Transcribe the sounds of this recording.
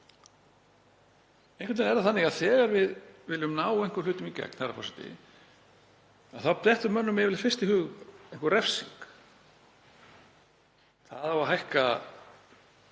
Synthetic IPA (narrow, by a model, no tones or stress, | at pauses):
ẽjn̥ŋkvɪt̪ɪnɛɾðaθanːɪɣaðθɛːɣaɾvɪðvɪlʏmnaːwejŋ̥kʏ̥lʏːt̪ʏmicɛ̰k̚n̥harapʰɔ̰sɪt̪ɪ̰ | aðθawp̪ɛht̪ʏmœnːʏmɪvɪlfɪr̥st̪ɪhʏːɣejŋ̥kʏrɛfsiŋk | θa̰ðawaɦajhka